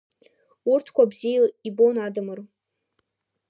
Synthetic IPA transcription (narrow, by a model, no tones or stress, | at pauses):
urtʰkʷabzijlibonadɨmɨr